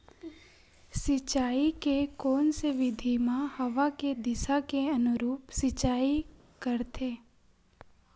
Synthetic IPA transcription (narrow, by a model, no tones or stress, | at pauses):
sɪt͡ʃaːikekɔːnseʋɪd̪ʱimãhɐʋaked̪ɪsakeɐnʊɾuːpsɪt͡ʃaːi | kəɾt̪ʰeː